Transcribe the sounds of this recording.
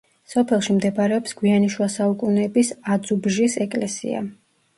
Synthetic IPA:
sɔpʰɛlˠʃimd̪ɛbɾɛɔpsɡ̥wianiʃwasaukʼunɛbisad̪zubʒisɛkʼlɛsḭa̰

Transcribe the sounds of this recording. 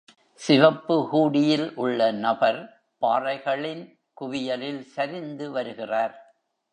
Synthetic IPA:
sɪʋɐpːɯhuːɽɪjɪlʔʊɭːɐnɐbɐɾ | paːrɐɪɣɐɭɪn | kʊʋɪjɐlɪlsɐɾɪnd̪ɯʋɐɾɯɣɪraːɾ

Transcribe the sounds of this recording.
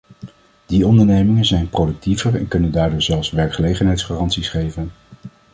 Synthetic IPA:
d̥iɔndəɹnejmɪŋənzɛjnprowdɵk̚tivəɹɛ̰nkɵnəndaːɹdʊːɹzɛlˠfsʋɛɹkχəlejχənɦɛjtsχaːrɑntsisχejvən

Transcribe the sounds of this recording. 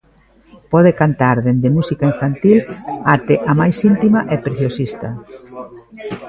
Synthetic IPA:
pɔð̞ekant̪aɾðend̪ɪmusikaiɱfant̪ilat̪ɪʔamajsint̪imɐʔɛpɾeθjosist̪ɐ

